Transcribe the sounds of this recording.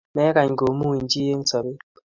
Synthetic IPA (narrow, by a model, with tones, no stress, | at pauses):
mɛ˦ka˨ɲ˨ɡo˨mu˦i˨n˦d͡ʒi˦je˦ŋ˦sɔ˨be˦